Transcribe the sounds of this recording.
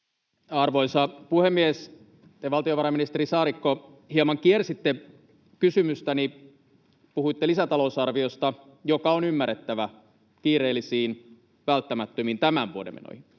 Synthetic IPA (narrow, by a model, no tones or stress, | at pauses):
ɑrʋoisɑpuhemːies | t̪eʋɑlt̪ioʋɑɾɑminist̪eɾisɑːɾikːo | hiɑmɑŋkiersit̪ːe | kysymyst̪æni | puhuit̪ːelisæt̪ɑlousɑrʋiost̪ɑ | jokɑonymːæret̪ːæʋæ | kiːɾeːlːˑisiːn | ʋælt̪ːæmæt̪ːømint̪æmænʋuodḛmḛno̰hin